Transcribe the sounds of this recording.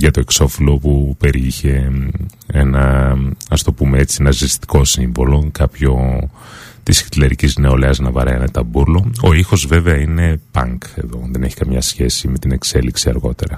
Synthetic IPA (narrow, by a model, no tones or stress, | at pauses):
ʝɐt̪o̞e̞kso̞filo̞pupe̞ɾiçe̞ | enɐɐst̪o̞pumeet͡sienɐzist̪i̥ko̞siɱvo̞lo̞kɐpço̞ | t̪isçt̪leɾicizne̞o̞leɐznɐvɐɾɐɐnet̪ɐbuɾlo̞oixo̞zve̞veɐine̞pɐ̰ŋke̞̰ðo̞ðe̞ne̞çi̥kɐmɲɐsçe̞sime̞t̪ine̞kse̞liksiɐɾɣo̞t̪e̞ɾɐ